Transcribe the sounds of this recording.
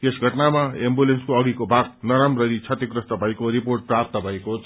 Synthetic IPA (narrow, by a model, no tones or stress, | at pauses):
t̪esɡʱʌʈnamaembulenskoʌɡikobʱaɡ̚nʌɾamrʌɾit͡sʰʌt̪ikrʌst̪ʌbʱʌekoɾiporʈ̚prap̚t̪ʌbʱʌekot͡sʰ